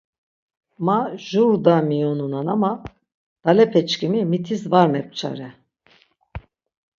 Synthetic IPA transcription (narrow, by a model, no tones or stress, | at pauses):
maʒuɾd̪amijonunanama | d̪̥alɛpʰɛt͡ʃkimimit̪ʰizvaɾmɛp̚t͡ʃʰa̰ɾɛ